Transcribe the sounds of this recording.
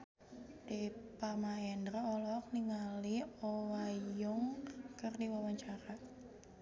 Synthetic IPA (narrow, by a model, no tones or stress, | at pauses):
dɛpamaɛndərɔlɔk̚niŋaliɔwajʊŋkərdiwawaɲt͡ʃaɾa